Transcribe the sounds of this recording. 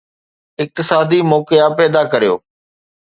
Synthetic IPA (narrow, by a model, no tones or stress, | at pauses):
ɪk̚t̪ɪsaːd̪imɔːkejapɛːd̪akɐɾijo̰ː